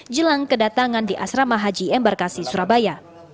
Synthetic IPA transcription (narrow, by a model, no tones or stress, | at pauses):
d͡ʒəlaŋkədat̪aŋandiʔa̰sɾamaɦad͡ʒiɛmbarkasisuɾabaja